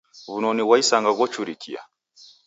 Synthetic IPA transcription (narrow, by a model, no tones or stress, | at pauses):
βunɔniwaisaŋɡaɣɔt͡ʃuɾikʰḭa̰